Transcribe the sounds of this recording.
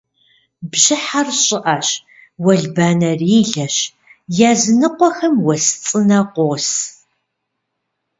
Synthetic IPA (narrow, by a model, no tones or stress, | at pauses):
bʑɪħarɕʼɪʔaɕ | wɐɮbaːnɐriːɮɐɕ | jaːzɨnɨqʷɔxɐmwɐst͡sʼɨnɐqʷoːs